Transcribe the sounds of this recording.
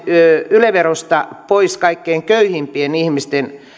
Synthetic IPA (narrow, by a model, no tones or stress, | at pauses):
øyleʋerost̪ɑpoiskɑikːeːŋkøyhimpienihmist̪en